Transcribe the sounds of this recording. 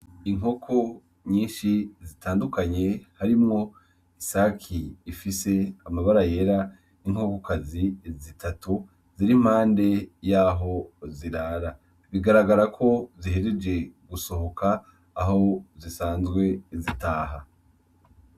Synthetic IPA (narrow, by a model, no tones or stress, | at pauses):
iŋo̞kʰo | ɲiːnʃizitʰaːndukaɲe̞haɾimŋo̞ | isakʰiːfise̞amaβaɾaje̞ɾa | iŋ̥hokokʰazizitʰatu | z̥iɾim̥haːnde̞jaːɦo̞ziɾaːɾa | βiɡaɾaɡaɾakʰo̞ziɦeɾed͡ʒe̞ɡuso̞hokʰaː | ɦo̞zisaːnzɡwe̞zitaːɦa